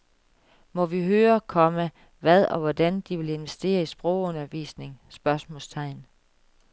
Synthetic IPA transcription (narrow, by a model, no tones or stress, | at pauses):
mɒ̽ʋiɦøːɐkʰɒ̽mə | ʋæð̞ˠɒ̽ʋɒd̥ænd̥iʋe̝le̝nʋesd̥e̝̰ːɐisb̥ʁɔʊ̰ɔ̽nɐʋḭːsne̝ŋsb̥ɶɐsmɔ̰̽lst͡sʰɑ̈ɪ̰n